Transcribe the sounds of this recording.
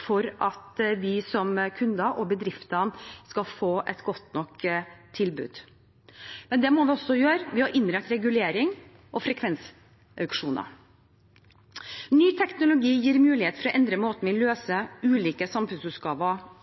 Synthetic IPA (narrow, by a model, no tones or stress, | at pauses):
fɔɾʔɑt̪ʋɪsɔmkʰʉnd̪ɑʔɔbəd̪ɾɪft̪ɑnskɑfoːʔɛt̪ɡɔt̪nɔkt̪ʰːɪlbʉ̰ːd̪̥ | mɛnd̪ɛmɔʋɪɔsːɔjøːɾʋɪhɑɾʔɪnːɾɛt̪ɾɛɡʉleːɾɪŋ | ʔɔfɾɛkʰʋɛns | ʔœʉkʂuːnɑ̰ | nyːt̪ʰɛknʊlʊɡiːjiːɾmʉːlɪheːt̪fɾɔʔɛnd̪ɾəmoːt̪ənʋɪløːsəʉːliːkəsɑmfʉnsʉːt̪ɡɑːʋə